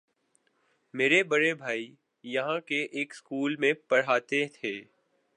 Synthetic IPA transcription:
meːɾebɐɽebʱaːi | jɐɦãkeʔeːkskuːlmẽpɐɽ̤aːt̪et̪ʰeː

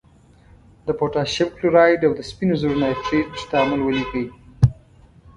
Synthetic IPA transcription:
d̪əpoʈɑʃɪbkluɾɑjɖawd̪əspinozuɾnajfɾitst̪amʊlwəlikəwi

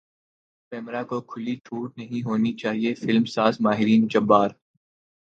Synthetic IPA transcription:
pɛːmɾakokʰʊliʈʰuːɾnɐɦĩɦoːnit͡ʃaːɦiefɪlmsaːzmaːɦɪɾiːnd͡ʒɐbːaːɾ

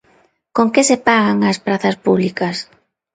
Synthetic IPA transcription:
koŋkesepaɣaŋaspɾaθɐspuβlikɐs

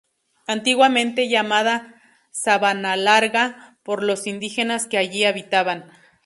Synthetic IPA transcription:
ant̪iɣwament̪eʝamaða | saβanalaɾɣapoɾlosind̪ixenaskeajiaβit̪aβan

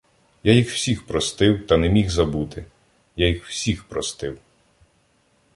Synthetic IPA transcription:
jajixw̥sʲixpɾɔst̪ɪwt̪ɐnɛmʲixzɐbut̪ɪ | jajixw̥sʲixpɾɔst̪ɪw

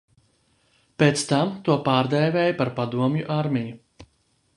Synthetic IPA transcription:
peːt̪st̪amt̪uɔpaːɾd̪ɛjvɛːjpaɾpad̪uɔmjuʔaɾmiju

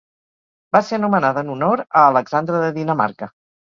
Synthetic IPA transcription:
baseənumənaðənunoɾəːləɡzand̪ɾəðəðinəma̰ɾkə

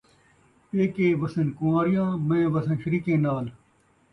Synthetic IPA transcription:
eːkeːʋɐsənkuãːɾijãːmẽːʋɐsə̃nʃəɾiːkẽːnaːl

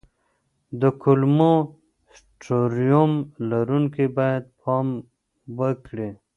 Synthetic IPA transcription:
d̪əkʰulmo | s | ʈoɾijomlaɾunkibajad̪̚pʰɑm | bəkɽe

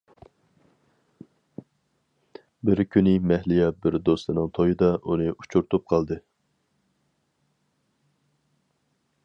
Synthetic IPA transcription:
bɪɾkʲʰynɪmɛhlɪjɛbɪɾd̪ost̪ɨnɨŋt̪ʰojɨd̪ɑʔunɨʔut͡ʃʰuɾt̪ʰup̚qʰɑlˠd̪ɨ

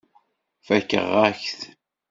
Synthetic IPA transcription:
fækə̰ʁːæçθ

